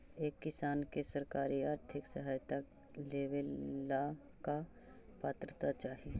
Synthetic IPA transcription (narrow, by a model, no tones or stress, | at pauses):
eːkːɪsaːnkesɐɾkaːɾiaːɾt̪ʰɪksɐɦaːjt̪ak | leːʋelːa | ka | paːt̪ɾət̪at͡ʃaːɦie